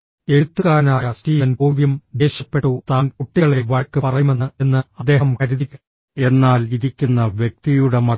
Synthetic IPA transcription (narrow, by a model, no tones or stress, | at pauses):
e̞ɻut̪ːuɣaːnaːjɐstiːʋɐnbuːʋjumd̪eːɕɐpːe̞ʈːut̪aːnpuʈːiɣɐɭeʋɐɭkːɨpɐrɐjume̞nːɨe̞nːɨɐd̪ːe̞ːɦɐmkɐɾiðikʲː | e̞nːaːliðikʲːunːɐʋjek̚t̪ijuɽemɐ